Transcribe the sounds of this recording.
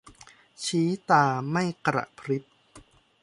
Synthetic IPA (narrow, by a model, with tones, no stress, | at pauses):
t͡ɕʰiː˦˥t̪aː˧ma˥˩jkɾa̰˨˩ʔpʰɾi˦˥p̚